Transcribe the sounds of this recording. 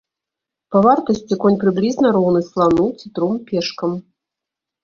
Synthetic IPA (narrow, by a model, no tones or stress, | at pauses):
pɐvart̪ɐsʲt͡sʲikɔnʲpɾɨblʲiznɐɾɔwnɨslˠanut͡s̪ʲit̪ɾɔmpʲɛʂkɐm